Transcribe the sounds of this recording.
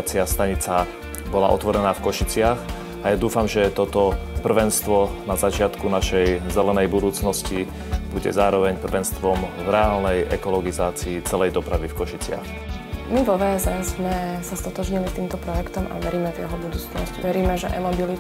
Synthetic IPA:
t͡sɪast̪aɲit͡sa | bɔla̰ʔɔ̰t̪ʋɔɾɛnaːfkɔʃit͡sɪax | ajad̪uːfamʒɛt̪ɔt̪ɔpr̩ʋɛnst̪ʋɔnazat͡ʃɪat̪kunaʃɛjzɛlɛnɛjbud̪uːt͡snɔsci | buɟɛ̰zaːɾɔʋɛɲpr̩ʋɛnst̪ʋɔmvɾɛaːlnɛjʔɛ̰kɔlɔɡizaːt͡siːt͡sɛlɛjd̪ɔpɾaʋifkɔʃit͡sɪa̰x | miʋɔʋɛɛzɛzmɛsast̪ɔt̪ɔʒɲilit̪iːmt̪ɔpɾɔjɛkt̪ɔma̰ʋɛɾiːmɛt̪jɛɦɔbud̪uːt͡snɔ̰sciʋɛɾiːmɛʒɛʔɛmɔbili

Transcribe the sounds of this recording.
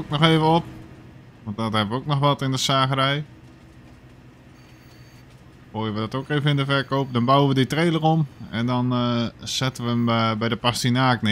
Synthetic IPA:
k̚nɔxeːvəop̚ | ʋɔnt̚dɔthɛbʋəoːk̚nɔxʋɔtɪndəsaːɣərɛj | foːjəʋədɔtoːkeːvənɪndəfɛrkoːp̚dɔnbawəʋəditreːlˠəromɛndɔnsɛtəʋəəmbɛjdəpastinaːknɪ

